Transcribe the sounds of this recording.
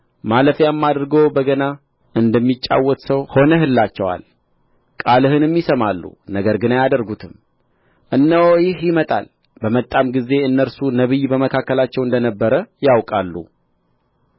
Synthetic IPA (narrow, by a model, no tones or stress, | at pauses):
maləfjamːad̪ɾɡəwbəɡəna | ʔɨnd̪əmːit͡ʃʼːa̰wːɔt̪səwho̞nəhɨlːat͡ʃːɛwa̰l | kʼalɨhɨnɨmːisəmalːṵnəɡəɾɡɨnajad̪əɾɡut̪ʰɨm | ʔɨnːəwjɪhjɪmət̪ʼa̰l | bəmət̪ʼːamɡize̞ɨnːəɾsunəβɨjbəməkʰakːəlat͡ʃːɛwɨnd̪ənəbːəɾəjawkʼalːṵ